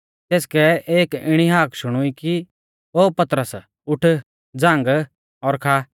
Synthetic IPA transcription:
t̪eːskɛeːkɪɽ̃iɦaːkʰʃʊɽ̃ʊiki | oːpɐt̪ɾəs | ʊʈʰ | d͡zãːŋɡ | ɔɾkʰaː

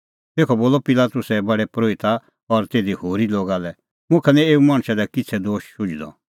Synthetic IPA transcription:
t̪eːkʰɔboːlɔpɪlaːt̪ʊsɛbɐɽɛpɾoːɪt̪a | ɔɾt̪eːd̪ihoːɾiloːɡalɛ | mʊ̃kʰɛnɛ̃eːumaːɽ̃ʃɛd̪ɛkɪt͡sʰɛd̪oːʃʃʊd͡ʒd̪ɔ̰

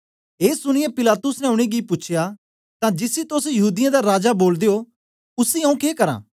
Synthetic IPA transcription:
eːsʊɽ̃ɪjɛ̃pɪlaːt̪ʊsnɛ̃ʊɽ̃eɡɪpʊːt͡ʃʰɪja | t̪ãd͡ʒɪsit̪osjɐɦuːd̪ɪjãd̪aɾaːd͡ʒaboːld̪eo | ʊsiɦɐ̃ũkeːkɐɾã̰ː

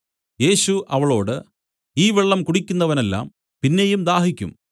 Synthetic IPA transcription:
je̞ːɕuʔɐʋɐɭo̞ːɽɨ | iːʋeɭːɐmkuɽikʲːunːɐʋɐne̞lːa̰ːm | pinːe̞jumd̪aːɦikʲːṵm

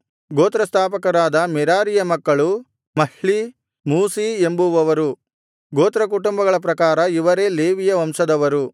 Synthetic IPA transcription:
ɡoːt̪ɾɐst̪ʰaːpɐkɐɾaːd̪ɐmɛɾaːɾijɐmɐkːɐɭu | mɐhɭi | muːsie̞mbuʋɐʋɐɾu | ɡoːt̪ɾɐk̬uʈumbɐɡɐɭɐp̬ɾɐkaːɾɐiʋɐɾe̞ːleːʋijɐʋɐmsɐd̪ɐʋɐɾu

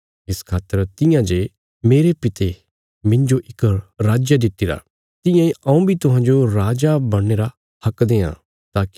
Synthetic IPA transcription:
ɪskʰaːt̪ːəɾt̪ɪjãd͡ʒe | meːɾepɪt̪e | mɪ̃ɲd͡ʒoʔɪkəɾaːd͡ʒjad̪ɪt̪ːiɾa̰ | t̪ɪ̃jãiɐ̃ũbʱit̪ʊɦãːnd͡ʒoɾaːd͡ʒabɐɽ̃ːeːɾa | hɐkd̪eːã̰ | t̪aːki̥

